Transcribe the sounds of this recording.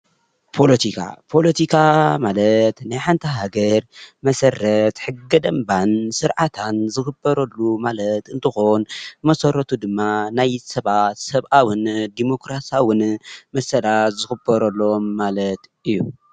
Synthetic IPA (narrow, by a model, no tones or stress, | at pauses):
pʰo̞lɐt̪ʰikʰa̰pʰo̞lɐt̪ʰikʰamalɐt̪najħant̪ʰɐɦaɡɐɾmɐsɐrːɐt̪ħɨɡːɐd̪ɐmbansɨɾʕat̪ʰanzɨxɨbːɐɾɐlːumalɐt̪ɨnt̪ʰɨxonmɐsɐɾɐt̪ʰud̪ɨmːanajsɐβat̪sɐβʔawɨnd̪imo̞kɾasawɨnmɐsɐlat̪zɨxɨbːɐɾɐlːomːalɐt̪ʔɨjːu